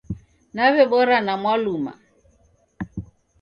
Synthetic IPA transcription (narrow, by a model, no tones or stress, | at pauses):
naβɛbɔɾanamwaluma̰